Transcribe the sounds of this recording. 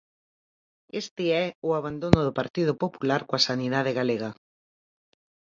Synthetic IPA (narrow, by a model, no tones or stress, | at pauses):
est̪ɪɛʊaβand̪onʊðʊpaɾt̪iðʊpopulaɾkoasaniðaðeɣaleɣɐ